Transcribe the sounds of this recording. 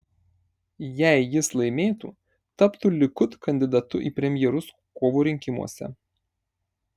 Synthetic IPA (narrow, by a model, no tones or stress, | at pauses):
jæˑɪjɪslˠɐɪmʲeːt̪ṵː | t̪ɐpt̪uːlʲɪkʊt̪kɐnʲd̪ʲɪd̪ɐt̪ʊʔiːpʲɾʲɛmʲjɛɾʊs | koːʋuːɾʲɪŋʲkʲɪmṵɔsʲɛ̰